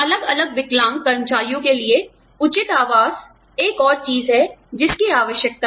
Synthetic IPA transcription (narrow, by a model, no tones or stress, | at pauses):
ɐləɡɐləɡ̚ʋɪklãːmkɐɾmt͡ʃaːijõkelie | ʊt͡ʃɪt̪aːʋaːz̥ | eːkɔːɾt͡ʃiːzɦɛd͡ʒɪskiaːʋəʃjək̚t̪a